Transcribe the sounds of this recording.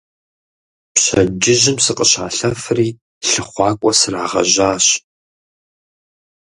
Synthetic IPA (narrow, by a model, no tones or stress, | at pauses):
pɕɐ̰d͡ʒɪʑɪmsɨqʼəɕaːɬɐfɨriː | ɬɨχʷɑːkʷʼɔsɨraːʁɐ̰ʑaːɕ